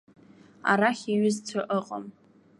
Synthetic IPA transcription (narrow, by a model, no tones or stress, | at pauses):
a̰ɾaχʲiɥʏzt͡sʷʰɨʔəqʼə̰m